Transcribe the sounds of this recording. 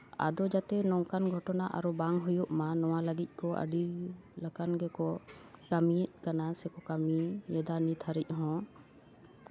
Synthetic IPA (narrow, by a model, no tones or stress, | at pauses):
a̰d̪ɔd͡ʒat̪ɛnɔŋkanɡʱɔʈɔnaʔa̰ɾɔbaŋɦujuʔmãnɔwaləɡic̪̚ˀkɔʔə̰ɖilakanɡɛkɔkamic̚ˀkanasɛkɔkamijɛd̪anit̪ʰaɾic̚ˀɦɔ̃